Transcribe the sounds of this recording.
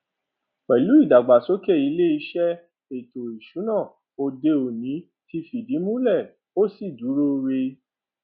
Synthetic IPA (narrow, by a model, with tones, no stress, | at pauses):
k͡pɛ˨lu˨˦i˦˨da˨ɡ͡ba˨so˨˦kɛ˦˨i˨˧˦le˦i˧˦ʃɛ˦ | e˨to˨i˨ʃu˨˦nã˦˨ | o˧de˧o˨nĩ˨˦ | ti˧˦fi˨di˨˦mũ˦lɛ˦˨ | o˦si˦˨du˨˦ɾo˦˧ɾe˧